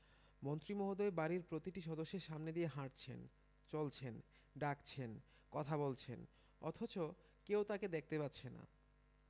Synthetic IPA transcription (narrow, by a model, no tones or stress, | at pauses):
mont̪ɾimoɦod̪oebaɾiɾpɾot̪iʈiʃɔd̪oʃːeɾʃamned̪ieɦaʈt͡ɕʰḛn | t͡ɕolt͡ɕʰen | ɖakt͡ɕʰen | kɔt̪ʰabolt͡ɕʰḛn | ɔ̰t̪ʰot͡ɕo | kewt̪aked̪ek̚ʰt̪epat̪ːɕʰena̰